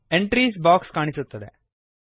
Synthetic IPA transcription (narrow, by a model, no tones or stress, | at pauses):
eɳʈɾiːs̬baːkskaːɳisut̪ːɐd̪e